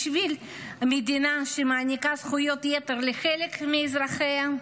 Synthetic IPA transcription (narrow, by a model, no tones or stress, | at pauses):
ʃvil | med̪inaʃemaːnikazχujo̞t̪jet̪e̞ɾleχelekmeːzɾaχea